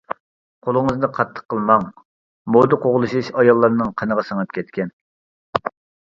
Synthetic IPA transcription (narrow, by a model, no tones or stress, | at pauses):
qʰolˠəŋəznɨqʰɑt̪ʰːə̥qʰːəlˠmɑŋ | mod̪ɨqʰoʁlˠuʃiʃɑjɑlˠːɑɾnɨŋqʰənəʁɑsəŋɑp̚kʲʰɛt̪kʲʰɛn